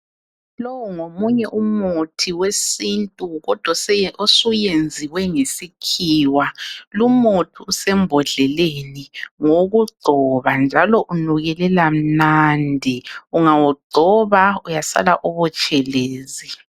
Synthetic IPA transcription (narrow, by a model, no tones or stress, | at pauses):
lowuŋomuɲɛʔumutʰiwesintʼuɣɔd̥ʱwaosujend͡zʱiwɛŋesikʰiːwalumutʰiusɛmbʱɔɮɛleniŋoɣuɡ͡ǀʱɔβand͡ʒʱalɔʔunuɣɛlɛlam̩nandʱiuŋawɔɡ͡ǀʱɔβaujasa̰laʔɔβɔt͡ʃʼɛleːzi